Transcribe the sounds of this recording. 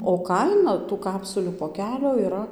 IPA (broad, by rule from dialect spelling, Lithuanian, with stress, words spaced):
oː ˈkɐɪnɐ tuː ˈkɑːpsʊlʲuː poːˈkʲæːlʲoː iːˈrɐ